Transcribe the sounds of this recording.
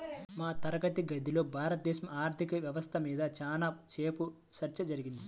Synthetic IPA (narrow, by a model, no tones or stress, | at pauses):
maːt̪ɐɾɐɡɐt̪iɡɐd̪ʱːilo̞ːbʱaːɾɐt̪̚d̪ɛːʃɐmaːɾt̪ʰikɐʋjɐʋɐst̪ʰɐmiːd̪ɐt͡ʃaːnat͡ʃe̞ːpu | t͡ʃɐɾt͡ʃɐd͡ʒɐɾiɡind̪i